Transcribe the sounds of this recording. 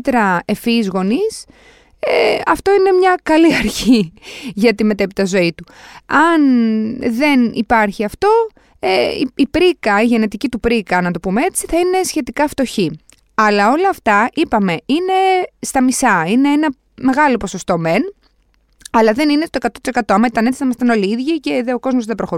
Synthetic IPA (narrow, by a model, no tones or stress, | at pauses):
t̪ɾɐe̞fizɣo̞nis | eɐft̪o̞ine̞mɲɐkɐliɐɾçiʝɐt̪ime̞t̪epit̪ɐzo̞it̪uɐnðe̞nipɐɾçiɐft̪o̞ | eḭipɾikɐiʝe̞net̪icit̪upɾikɐnɐt̪o̞pumee̞t͡siθɐine̞sçe̞t̪ikɐft̪o̞çi | ɐlɐo̞lɐːft̪ɐʔipɐme̞ine̞st̪ɐmisɐine̞enɐ | me̞ɣɐlo̞po̞so̞st̪o̞me̞n | ɐlɐðe̞ninest̪oe̞kɐt̪o̞t̪isekɐt̪o̞ɐmɐit̪ɐnet͡ssi̥θɐimɐst̪ɐno̞liiðʝice̞ðeo̞ko̞zmozðebɾo̞xo